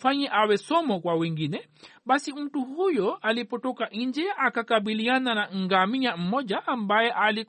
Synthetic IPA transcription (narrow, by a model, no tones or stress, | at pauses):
faɲɛʔawɛsɔmɔkwawiŋɡinɛ | ɓasim̩tuhujɔʔalipɔtɔkaʔind͡ʒɛʔakakabiliananaŋ̩ɡamiɲam̩mɔd͡ʒaʔambajɛʔali